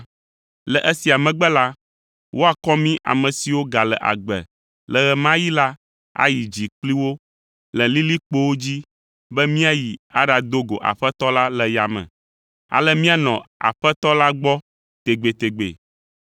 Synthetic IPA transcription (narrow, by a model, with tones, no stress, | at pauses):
lɛ˨ʔɛ˦si˨a˨mɛ̃˨ɡ͡bɛ˦la˦ | wʔo˦a˨kɔ˦mĩ˦ʔa̰˨mɛ̃˨si˨wo˦ɡa˨lɛ̰˨ʔa̰˨ɡ͡bɛ̰˨ | lɛ˨ɣɛ˨mã˦ji˦la˦ | a̰˦ji˨d͡ʑi˨k͡pli˦wo˦ | lɛ̃˨li˦li˦k͡po˦wo˦d͡ʑi˦ | bɛ˦mĩ˦a˦ji˨a˦ɖa˨d̪o˦ɡo̰˨ʔa̰˨ɸɛ˦t̪ɔ˦la˦lɛ˨ja˨mɛ̰̃˨ | a̰˨lɛ˦mĩ˦a˦nɔ̃˨a̰˨ɸɛ˦t̪ɔ˦la˦ɡ͡bɔ˦ | t̪e˨ɡ͡be˨t̪e˨ɡ͡bḛ˨